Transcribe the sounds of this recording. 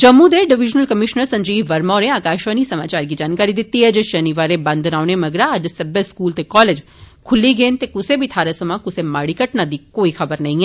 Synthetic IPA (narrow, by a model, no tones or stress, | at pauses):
t͡ʃɐmːud̪eɖɪʋɪd͡ʒnəlkəmɪʃnəɾsɐ̃ɲd͡ʒiːʋɐɾmaːɾeaːkaːʃʋanisɐmaːt͡ʃaːɾɡid͡ʒaːnkaːɾid̪ɪt̪ːiɦɛd͡ʒʃɐniʋaːɾebɐ̃nd̪ʱnaːʋñemɐɡɾaəd͡ʒsɐbjəskuːlt̪ekɔːled͡ʒ | kʰʊlːiɡeːnt̪ekʊsebʱit̪ʰaːɾesɐmãkʊsemaːɽikəʈnad̪ikoːixʰɐbəɾnɐɦĩɛː